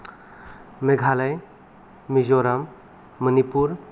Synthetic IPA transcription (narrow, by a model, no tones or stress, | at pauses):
meɡʱalaj | mizoɾamː | ənipuɾ